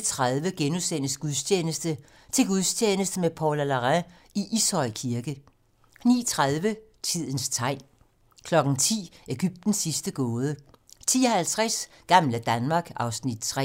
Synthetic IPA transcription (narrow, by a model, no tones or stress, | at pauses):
t͡sʰʁaðˠʋəɡ̥enusen̰əsɡ̥uðˠst͡ɕʰeːnəsd̥ə | t͡sʰe̝lɡ̥uðˠst͡ɕʰeːnəsd̥əmepʰɒlælɑʁæ̃ | iʔishɒ̽ɪ̰kʰiɐɡ̥ə | nḭːt͡sʰʁaðˠʋə | t͡sʰið̞̰ˠən̩st͡sʰɑ̈ɪ̰ | kʰlɒ̽ɡ̥n̩t͡sʰḭːe̝ɡ̥yb̥̚d̥n̩sːisd̥əɡ̥ɔːð̞ˠət͡sʰḭːɒhælt͡sʰʁas | ɡ̥ɑ̈mləd̥ænmɑ̈ːɡ̥ɑ̈ʊsnid̥̚t͡sʰʁɛ